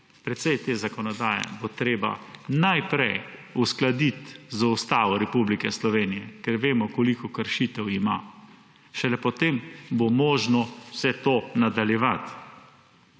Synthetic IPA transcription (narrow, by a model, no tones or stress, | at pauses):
pɾɛt̪sɛjt̪eːzakɔnɔd̪aːjɛ̰bot̪ɾeːba̰najpɾɛjusklad̪it̪zaust̪aːʋɔɾɛpublikɛslɔʋeːnijɛkɛɾʋeːmɔkɔlikɔkəɾʃit̪ɛwima̰ | ʃɛlɛpɔt̪embomɔːʒnɔsɛt̪oːnad̪aljɛʋat̪